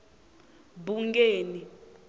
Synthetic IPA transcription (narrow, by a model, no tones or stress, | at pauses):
buŋkeːni